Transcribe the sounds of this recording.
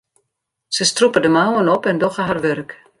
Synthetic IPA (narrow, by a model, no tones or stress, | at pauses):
səstrupədəmawənɔpɛndɔxəɦarʋørk